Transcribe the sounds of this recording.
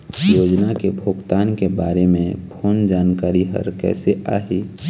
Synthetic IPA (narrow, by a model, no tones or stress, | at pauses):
joːd͡ʒnakebʱʊɡt̪aːnkebaːɾemẽpʰoːnd͡ʒaːnkaːɾiɦɐ̰ɾkɛ̰ːseʔa̰ːɦi